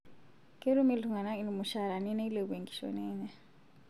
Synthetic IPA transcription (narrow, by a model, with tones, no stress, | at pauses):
kʼe˦ɾu˦mi˦lu˨ŋa˨na˦i˦li˨mu˨ʃa˦ɾa˨nɛ˦nɛ˦i˦le˨βue˨ŋɡi̥˨ʃɔ̰˨nɛː˦ɲa˦˨